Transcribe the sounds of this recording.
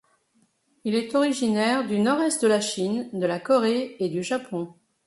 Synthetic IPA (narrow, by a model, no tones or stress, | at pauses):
ilɛt̪ɔʁiʒinɛʁd̪ynɔʁɛst̪̚d̪əlaʃind̪əlakɔʁeed̪yʒapɔ̃